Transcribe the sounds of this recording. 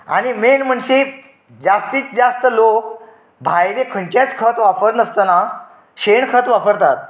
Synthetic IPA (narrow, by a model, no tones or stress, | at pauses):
a̰ñimenm̤əɳɕe | d͡zast̪iːt͡sd͡zast̪əlok | bʱajɾekʰəɳt͡ɕjat͡skʰət̪ʋapəɾnəst̪əna | ɕeɳkʰət̪ʋapəɾt̪at̪̚